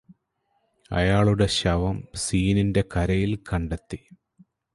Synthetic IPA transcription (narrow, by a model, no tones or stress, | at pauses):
ɐ̰jaːɭuɽe̞ɕɐʋɐmsiːninde̞kɐɾɐjilkɐɳɖet̪ːi